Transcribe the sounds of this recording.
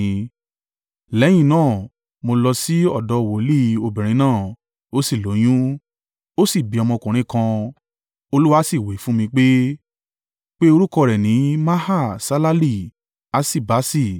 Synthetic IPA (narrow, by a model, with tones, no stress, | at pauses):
lɛ˨˦j̃ĩ˦˧˨nãː˦˨ | mo˧lɔ˧si˦ɔ˦˨dɔ˨˦˨wo˨˦li˦o˧bĩ˨ɾ̃ĩ˧nãː˦˨ | o˦si˦˨lo˨˦j̃ũ˦ | o˦si˦˨bi˨˦ɔ˧mɔ̃˧kũ˨ɾ̃ĩ˨˦kã˧ | o˧lu˦wa˦si˦˨we˨˦fũ˦mĩ˧k͡pe˦ | k͡pe˦o˧ɾu˦kɔ˧ɾɛ˨nĩ˨˦mã˦ha˦˨sa˦la˦li˦˨ | a˨˦si˦˨ba˨˦si˦˨